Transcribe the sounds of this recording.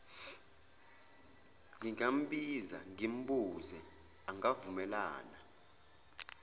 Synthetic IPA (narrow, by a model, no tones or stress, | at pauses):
ŋʱiŋam̩ɓiza̰ŋim̩ɓuzɛ | aŋavumɛla̰ːna